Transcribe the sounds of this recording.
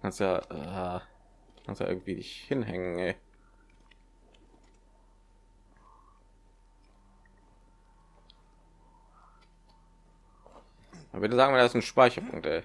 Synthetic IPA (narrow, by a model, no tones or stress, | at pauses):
kʰanstujaːʔa | kʰa̰nstuja̰ɪ̰ɡŋ̩tv̥iːdɪ̰çhɪnɦɛŋənʔɛː | avbɪdəzaːɡŋ̩mɛndaɪsn̩ʃpaɪçɐpʰʊ̰ŋktʔɛː